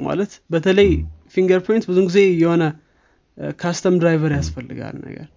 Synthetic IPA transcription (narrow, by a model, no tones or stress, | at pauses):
ma̰lət̪bət̪ʰələjfiŋɡəɾpʰojnt̪̚bɨzuɡize̞ɨjːɛho̞nə | kʰast̪ʰəmd̪ɾajvəɾjasfəlːɨɡa̰lnə̰ɡə̰ɾ